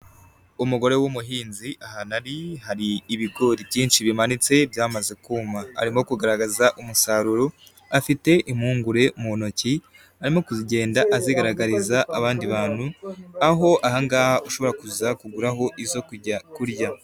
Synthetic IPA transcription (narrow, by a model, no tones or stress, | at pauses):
umuɡo̞ɾe̞wumuɦiːnziʔaɦanaɾihaɾiːβiɡo̞ːɾibjiːnʃiβimanit͡se̞bjaːmaze̞kuːmaa̰ɾimo̞kuɡaɾaɡazaʔumusaɾuɾo | afite̞ʔimhuːŋɡuɾe̞muonoci | aɾimo̞kuziɟe̞ːndaʔaziɡaɾaɡaɾizaʔːβaːndiβaːn̥huaɦo̞ʔahaŋɡaːuʃo̞βo̞ɾakuzakuɡuɾaɦo̞ʔizo̞kuɟakuɾja